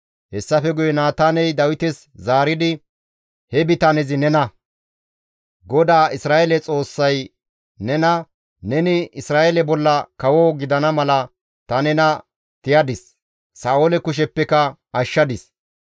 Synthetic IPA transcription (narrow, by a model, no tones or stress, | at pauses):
hɛsːɐfɛɡʊjɛnaːt̪aːnɛjd̪ɐwɪt̪ɛs | zaːɾɪd̪ɪ | hɛbɪt̪aːnɛzɪnɛnɐ | ɡɔd̪aːʔɪsɾaːʔɛlɛt͡sʼo̞ːsːɐj | nɛnɐ | nɛnɪɪsɾaːʔɛlɛbɔlːɐkɐwoɡɪd̪ɐnɐmɐlɐ | t̪ɐnɛnɐ | t̪ɪjɐd̪ɪsː | aːolɛkʊʃ̬ɛpːɛkɐ | ɐʃːɐd̪ɪs